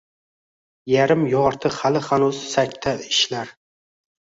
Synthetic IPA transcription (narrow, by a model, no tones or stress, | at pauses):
jaɾɪmjɒɾt̪ʰɨhalɪhanuzsak̚ʲt̪ʰːaɪʃlaɾ